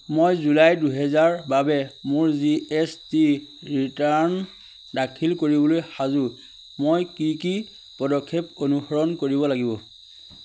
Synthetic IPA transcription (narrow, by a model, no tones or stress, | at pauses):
mojzulajduɦɛzaɹbabɛmoɹziestiɹitan | dakʰilkoɹibɔlojxazʊ | mojkiki | pɔdɔkʰːep̚onuxɔɹɔnkoɹibɔlaɡibɔ